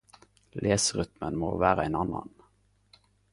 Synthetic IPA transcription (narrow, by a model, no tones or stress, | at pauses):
lʔeːsəʁʏt̪mənmoːʋæːʁəæɪnɑnɑ̰n